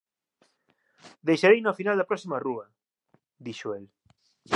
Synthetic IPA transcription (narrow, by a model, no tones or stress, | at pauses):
d̪ejʃaɾejnofinald̪ɐpɾɔksimaruɐ | d̪iʃoel